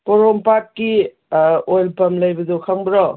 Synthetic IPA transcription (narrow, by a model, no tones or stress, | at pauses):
poɾompat̚ki | ojlpɐmlɐjbɐdukʰɐŋbɾɔ